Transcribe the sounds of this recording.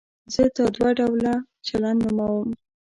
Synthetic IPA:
zət̪əd̪waɖawla | t͡ʃalannʊmawəm

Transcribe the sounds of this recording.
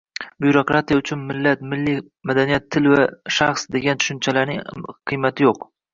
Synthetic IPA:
buɾokɾat̪ʰijaʊt͡ʃʰʊnmɪlːat̪mɪlːi | mad̪anijat̪ʰːɪlvaʃaχsd̪e̞ɡʲant̪ʰʊ̥ʃʊnt͡ʃʰalaɾnɪŋqʰɨjmat̪ʰɪjoq

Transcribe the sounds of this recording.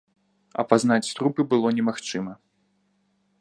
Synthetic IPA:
ɐ̰paznat͡sʲst̪ɾupɨbɨlˠɔnʲɛmaxt͡ʂɨmɐ

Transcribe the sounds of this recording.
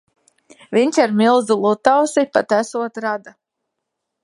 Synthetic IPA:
vʲiɲʲt͡ʃaɾmilˠzulˠut̪awsipat̪æsuɔt̪ɾad̪a

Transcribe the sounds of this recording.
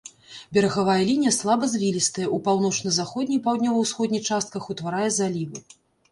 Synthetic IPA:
bʲɛɾɐɣavajɐlʲinʲijɐslˠabɐzʲvʲilʲist̪ɐjɛʔupawnɔt͡ʂnɐzaxɔd̪ʲnʲixpawd̪ʲnʲɔvɐwsxɔd̪ʲnʲixt͡ʂast̪̚kɐxut̪vaɾajɛzalʲivɨ

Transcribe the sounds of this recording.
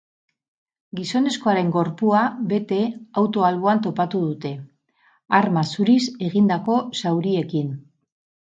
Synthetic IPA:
ɡiso̞ne̞sko̞aɾe̞ŋɡo̞ɾpuaβe̞t̪e̞awt̪o̞alβo̞ant̪o̞pat̪uð̞ut̪e̞ | aɾmasuɾise̞ɣind̪ako̞sawɾie̞kin

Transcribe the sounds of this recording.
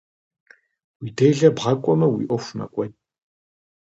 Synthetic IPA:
wiːdeːɮɐbʁɐkʷʼɔmɐwḭːʔɔfmɐ̰kʷʼɔj

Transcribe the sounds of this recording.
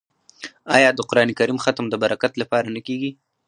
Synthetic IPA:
ɑjɑd̪əqʊɾɑnekaɾimxat̪md̪əbaɾakat̪lapɑɾanəkeɡi

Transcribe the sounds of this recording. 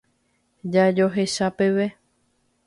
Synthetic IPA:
d͡ʒad͡ʒo̞ɦe̞ʃape̞ʋe̞

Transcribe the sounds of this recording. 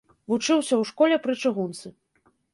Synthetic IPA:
vut͡ʂɨwsʲɐwʂkɔlʲɛpɾɨt͡ʂɨɣunt̪sɨ

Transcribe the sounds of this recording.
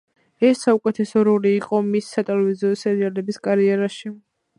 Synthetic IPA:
ɛsːaukʼɛt̪ʰɛsɔɾɔliːqʼɔmisːat̪ʼɛlɛviziɔsɛɾialɛbiskʼaɾiɛɾaʃi

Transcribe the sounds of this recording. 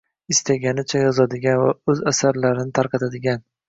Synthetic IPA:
ɪst̪ʰaɡʲanɪt͡ʃʰajɒzad̪ɪɡʲanva̰ɵzasaɾlaɾɪnɪt̪ʰaɾqɑt̪ʰad̪ɪɡʲan

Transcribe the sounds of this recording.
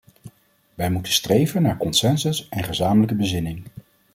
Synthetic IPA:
ʋɛjmutənstrejvənːaːɹkɔnsɛnsəsɛnχəzaːmələkəbəzɪnɪŋ

